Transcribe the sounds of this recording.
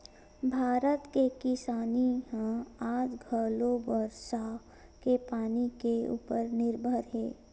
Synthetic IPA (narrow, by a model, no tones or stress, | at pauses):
bʱaːɾət̪kekɪsaːniɦãaːd͡ʒɡʱəːlobəɾʃa | kepaːnikeṵːpəɾnɪɾbʱəɾɦɛː